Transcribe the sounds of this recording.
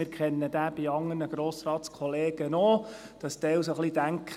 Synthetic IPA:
ɪːɾkʰχɛnːəd̪æːb̥iɑŋːənəɡɾoːsɾɑːt̪skʰɔleːɡ̥ənɔd̥ɑst̪ɛwsoχlid̥æŋkʰχ

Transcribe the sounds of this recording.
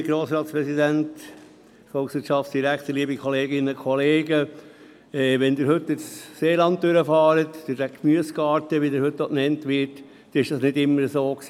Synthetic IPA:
ɡ̥ɾoːsɾɑːt̪spɾɛsidænt | fɔlˠksʋɪtt͡ʃʃɑftsd̥iɾæktəliəbikχɔleːɡɪnːəkʰχɔleːɡə | ɛʋɛnd̪ɪɾɦɵtːɪsːeːlɑnt̚døɾəfɑːɾət̪d̥̪ɪdækmyəskɑːɾtəʋid̪ɪɾhɵt̚d̪ɔʔnɛntʋɪːt | ɪʃd̥ɑsnɪdɪmːəɾəsoːksiː

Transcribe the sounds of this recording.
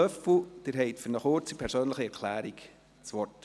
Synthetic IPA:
œfl̩d̪̥ɪɾɦɛɪtfʏɾnəχʊɾt͡sipʰɛɾsøːnləχiɛɾkʰlæːɾiɡ | t͡sʋɔrt

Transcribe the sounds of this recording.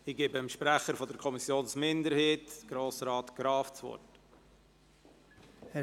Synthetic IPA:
ɪɡ̥eːbmʃpɾæχəɾfɔdəɾkʰɔmisjoːnsmɪndəɾhiːtɡ̥ɾoːsɾɑːtɡ̥ɾɑːft͡svɔ̰rt | h

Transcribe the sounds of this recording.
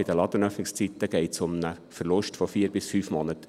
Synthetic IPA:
ɪd̥əlɑd̪ənœfnɪkst͡sit̪ːəɡ̥ɛɪtsʊmnə | fəɾlʊʃtfɔfiːɾbɪsfyːfmonət̪

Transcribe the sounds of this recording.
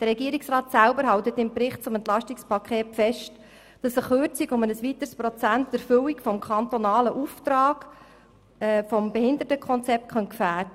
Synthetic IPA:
d̥əɾɛɡiəɾiksrɑːtsæʊbəɾɦɑwt̪ət̪ɪmpɾɪχt̚t͡sʊmɛnt̪lɑʃtikspʰɑkχeːtfɛʃt | d̥ɑsəχøːɾt͡sikʊmənəsʋit̪əɾspɾɔt͡sæntd̥̪əɾfʏwikfɔmkʰɑnt̪ɔnɑːləʔuft̪ɾɑːɡ̥ | fɔmbɛhɪnd̪ətəkʰɔnt͡sɛp̚t̚kʰχœntkfæːɾdə

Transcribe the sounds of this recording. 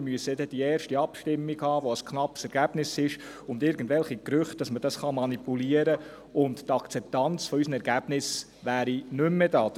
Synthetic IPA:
myəsəd̪ɛd̥iɛːrʃtiɑpʃtɪmːiɡhɑːʋoəskχnɑpsɛɾɡ̥æb̥nɪsɪʃ | ʊndɪɾɡən̩dvɛlχikɾʏχt̚d̥ɑsməd̥ɑsχɑmɑnipuliəɾə | ʊnttɑkt͡sɛp̚tɑnt͡sfɔysənɛɾɡæb̥nɪs | ʋæːɾinʏmːɛdɑː

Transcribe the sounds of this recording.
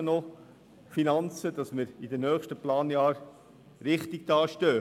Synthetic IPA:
nɔ | finɑnt͡səd̪̥ɑsmɪɾid̪ənœːχʃtəplɑːnjɑːɾ | ɾɪχt̪iɡ̚d̥̪ɑːʃtøː

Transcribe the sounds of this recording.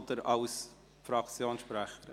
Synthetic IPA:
d̪əɾɑʊs | fɾɑkt͡sjoːnsʃpɾæχəɾ

